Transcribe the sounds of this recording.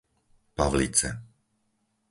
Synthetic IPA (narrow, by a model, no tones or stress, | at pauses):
paʋlḭt͡sɛ